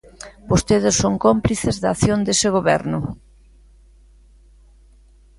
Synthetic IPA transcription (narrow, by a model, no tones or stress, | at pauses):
bost̪eðɪsːoŋkompliθezðaːθjond̪esɪɣoβɛ̰ɾnʊ